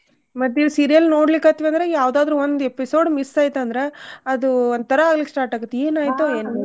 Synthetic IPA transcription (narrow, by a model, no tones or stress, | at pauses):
mɐt̪ːiɾsiːɾijɐlnoːɽlikːaːt̪ʋeɐnd̪ɾejaːʋd̪aːd̪ɾuːond̪episo̞ːɖmist̪aːjt̪ɐnd̪ɐɾe̞ɐd̪uond̪̚t̪ʰɐɾɐaːɡlikːsʈaːɾʈaːɡɐt̪ːeːnaːjt̪oen